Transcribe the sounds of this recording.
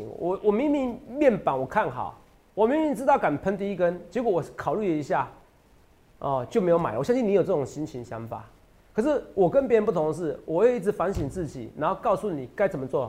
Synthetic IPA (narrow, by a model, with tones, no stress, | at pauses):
ɔ˨˦wʔɔ˨˩mi˧˥ŋmi˧˥˦ŋɛ˥˩npa˨˩˦nwɔ˨˩kʰa˥˩nxɑ̰˨˩˦ʊ | wɔ˨˩mi˧˥ŋmi˧˥ŋt͡s̩˥t̪ɑ˥˩ʊka˨˩npʰə˧˦nt̪i˧˥˦kə˦nt͡ɕjɛ˧˥kwɔ˧˩wɔ˨˩kʰɑ˨˩ʊly˥˩lə˨i˧˥ɕja˥˩ | ɔ˥˧t͡ɕjo˥˩ʊme˧˥ɪjo˧˥ma̰˨˦˨wɔ˨˩ɕɑ˥ŋɕ̬i˥˩ni˧˦jo˨˩ʊt͡sɤ˥˩ʊ˨˩ŋɕi˥nt͡ɕʰi˧ŋɕjɑ̰˧˦ŋfa̰˨˩˦ | kʰɤ˨˩ʂ̬ɻ̩˥˩wʔɔ˨˩kə˦np̬jɻə˧˦np̬u˥˩t̪ʰʊ˧˦ŋə˧ʂɻ̩˥˩wɔ˨˩we˥˩i˥˩t͡sɻ̩˧˦fa˧˥nɕi˨˩nt͡sɹ̩˥˩t͡ɕḭ˨˩na˧˦nxo˥˧ʊkɑ˥˧ʊsu˥˨ni˨˩ka˥ɪt͡sə˨˩mə˦t͡swɔ˥˨